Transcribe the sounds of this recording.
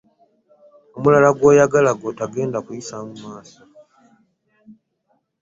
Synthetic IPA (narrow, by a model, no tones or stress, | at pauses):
o̞mulalaɡwo̞ːjaɡalaɡotaɡe̞ːndakujisamumaːso̥